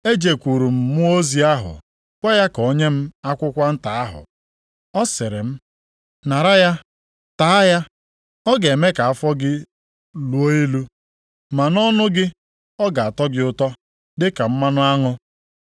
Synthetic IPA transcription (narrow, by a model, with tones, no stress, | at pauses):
e˦d͡ʒe˨kʷu˨ɾu˨m̩˨mʊ˦o˦zi˦a˦ɦʊ̰˨ | kʷe˦ja˦ko˨˦ɲe˦m̩˦a˦kʷʊ˦kʷa˦n̩˦ta˨a˦ɦʊ̰˨ | ɔ˦sɪ˨ɾɪ˨m̩˦ | na˨ɾa˦ja˦ | ta˦a˦ja˦ | ɔ˦ɡe˨me˦ka˨a˦˨fɔ˦ɡɪ˦ | lu˨˦o˦i˦lu˦ | ma˨nɔ˦nʊ˦ɡɪ˦ | ɔ˦ɡa˨a˨tɔ˦ɡɪ˦ʊ˦tɔ˦ | dɪ˦ka˨m̩˦ma˦nʊ˦a˦ŋʊ˦